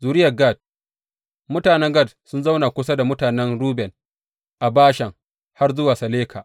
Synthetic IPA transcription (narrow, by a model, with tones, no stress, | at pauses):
zuː˨ɾɪ˦jɐ˨ɡa˦˨d̚ | mʊ˦taː˨nɛ˦ŋɡɐ˦˨dsʊ˦nza˦wna˨kʷʊ˦s̬a˦da˨mʊ˦taː˨nɛ˦nɽuː˦bɛ˨n | ʔa˨baː˦ʃɛ˨ŋ | ha˦rzʊ˦waː˨sɐ˨leː˦kʰaː˨ʔ